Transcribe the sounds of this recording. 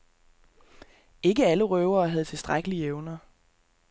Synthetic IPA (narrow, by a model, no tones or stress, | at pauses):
e̝ɡ̥əæləʁœʊɐːɦæð̞̩ˠt͡sʰe̝lsd̥ʁaɡ̥əlieʊnɐ